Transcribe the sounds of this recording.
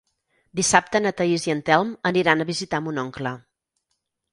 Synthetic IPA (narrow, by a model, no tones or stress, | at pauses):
d̪isap̚t̪ənət̪əiziənt̪ɛlˠməniɾanəβizit̪amunɔŋklə